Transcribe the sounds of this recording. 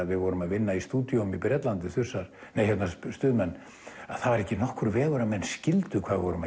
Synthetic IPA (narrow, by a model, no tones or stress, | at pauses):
ðvɪðvɔɾʏmaðvɪnːaist̪uːt̪jomipɾɛt̪lant̪̬ɪθʏsːaɾ̥nejhɛt̪nast̪ʏːðmɛnː | að̥θavaɾɛhcɪnɔhkʏɾvɛːɣʏɾamɛnːscɪlt̪ʏkʰvaːðvɔɾʏma